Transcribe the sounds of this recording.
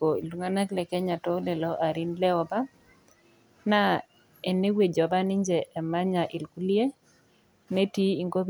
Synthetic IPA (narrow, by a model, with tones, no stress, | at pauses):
o˨ḭ˨lu˨ŋa˦na˦klɛ˨kɛ˦ɲa˨tɔ˦lɛ˨lɔ˦ʔa˨ɾi˦nlɛ˦ɔ˨ba˦ | na˦ | ɛ˨nːe˦we˨d͡ʒɔ˨ba˦nɪ˦ɲd͡ʒɛ˨ʔɛ˨ma˦ɲa˨ʔɪ˨lku˦li˦e˦ | ne˦ti˦i˨ŋɡo˦b